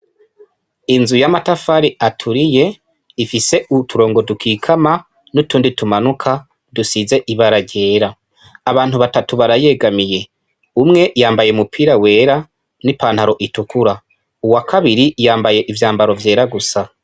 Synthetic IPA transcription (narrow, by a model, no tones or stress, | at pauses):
inzujamatafaɾiʔatʰuɾije̞ | ifise̞ʔutʰuɾo̞ːŋɡo̞dukikʰama | nutuːnditumanukʰa | dusize̞ʔiβaɾaɟe̞ːɾaː | βaːn̥huβatatuβaɾaje̞ːɡamije̞ | umŋe̞jaːmbaje̞mupʰiːɾawe̞ːɾa | nipaːnhaɾo̞ʔitukuɾa | uwakʰaβiɾijaːmbaje̞ʔivjaːmbaɾo̞vje̞ːɾaɡusa